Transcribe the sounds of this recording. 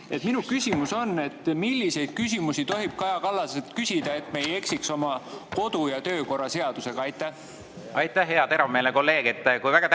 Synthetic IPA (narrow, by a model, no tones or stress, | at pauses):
e̞t̪minukysʲimuso̞nːe̞t̪ːˑmilːise̞jd̪̥̚kys̬ʲimusit̪o̞ɦib̥̚kɑjɑkɑlːɑselt̪kysʲid̪̥ɑe̞t̪ːˑme̞je̞ksikso̞mɑko̞d̪̥ujɑt̪ø̞ːko̞rɑse̞ɑd̪̥use̞ɡ̥ɑɑjt̪ːˑæh | ɑjt̪ːˑæhɦeɑt̪e̞ɾɑmeːleko̞lːe̞ːɡet̪ːˑkujvæɡ̥ɑt̪